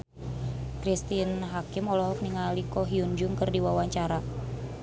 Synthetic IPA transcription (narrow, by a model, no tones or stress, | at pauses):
kɾist̪inɦakimɔlɔɦɔk̚niŋalikɔɦiund͡ʒʊŋkɨrdiwawaɲt͡ʃaɾa